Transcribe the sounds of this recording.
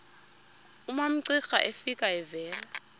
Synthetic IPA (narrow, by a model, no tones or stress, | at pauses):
umam̩ǀixa̰ʔefikʼaɛvɛːla